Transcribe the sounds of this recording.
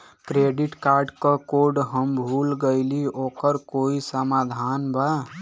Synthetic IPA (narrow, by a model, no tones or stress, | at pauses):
kɾeɖiʈkaɾɖkəkoɾɖɦəmbʱulɡəɪliokəɾkoisəmad̪ʱanba